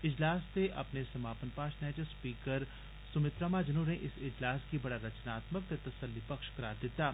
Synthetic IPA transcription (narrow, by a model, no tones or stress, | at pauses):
ɪd͡ʒlaːst̪eʔɐ̰pnesɐmaːpənpaːʃnɛːd͡ʒəspiːkəɾ | sʊmɪt̪ɾamad͡ʒɐnuːɾẽʔɪsɪd͡ʒlaːskibɐɽaɾɐt͡ʃnaːt̪mək̚t̪et̪ɐsəlːipɐkʃkɐɾaːɾd̪ɪt̪aː